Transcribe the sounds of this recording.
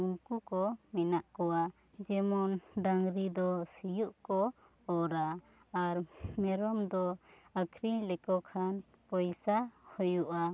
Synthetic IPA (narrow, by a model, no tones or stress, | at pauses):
uŋkukɔmɛnaʔkɔwa | d͡ʒɛmɔnɖaŋɾid̪ɔsijuʔkɔ | ɔɾaː | ɾmɛɾɔmd̪ɔakʰɾiɲlɛkɔkʰan | pɔjsahujuʔa